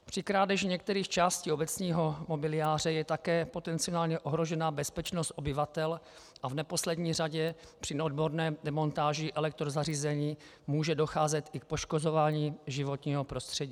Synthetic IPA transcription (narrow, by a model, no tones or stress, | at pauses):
pr̝̥ɪkɾaːdɛʒɲɛk̚t̪ɛɾiːxt͡ʃaːsciːobɛt͡sɲiːɦo̞mobɪlɪjaːr̝ɛjɛt̪akɛːpo̞t̪ɛnt͡sɪonaːlɲɛʔo̞ɦɾo̞ʒɛnaːbɛspɛt͡ʃnost̪ʔo̞bɪvat̪ɛl | ʔavnɛpo̞slɛdɲiːraɟɛpr̥ɪnodbo̞ɾnɛːdɛmo̞nt̪aːʒɪʔɛlɛk̚t̪ɾozariːzɛɲiː | muːʒɛdo̞xaːzɛt̪ʔɪk̚po̞ʃkozovaːɲiːʒɪvo̞t̪ɲiːɦo̞pɾo̞st̪r̥ɛɟiː